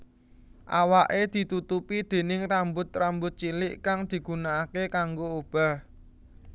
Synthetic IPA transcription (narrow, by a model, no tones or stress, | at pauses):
ʔawaʔed̪̥i̤t̪ut̪upid̪̥e̤nɪŋrambʊt̪rambʊt̪̚t͡ʃilɪʔkaŋd̪̥i̤ɡ̥unaːkekaŋɡoob̥a̤